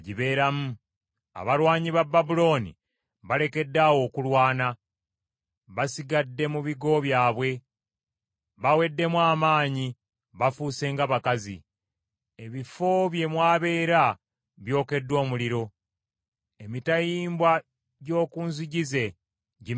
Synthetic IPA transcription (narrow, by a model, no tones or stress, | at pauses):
ɟiβe̞ːɾamu | a̰βalwaːɲiβababulo̞nḭ | βale̞ke̞dːawo̞ːkulwaːna | βasiɡadːe̞muβiɡo̞βjaːβwe̞ | βawe̞dːe̞mwaːmaːɲi | βafuːse̞ŋɡaβakazḭ | eβifo̞βje̞mwaːβe̞ːɾa | βjo̞ːke̞dːo̞ːmuliɾo̞ | emitajiːmbwa | ɟo̞ːkuːnziɟize̞ | ɟi